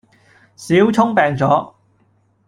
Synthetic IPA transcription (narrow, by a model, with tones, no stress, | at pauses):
siː˨˥wt͡sʰʊ˥ŋpɛː˨ŋt͡sɔː˨˥